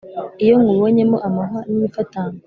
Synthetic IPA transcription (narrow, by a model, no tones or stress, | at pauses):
ijo̞ŋɡuβoɲe̞moʔamaɦaniifataŋa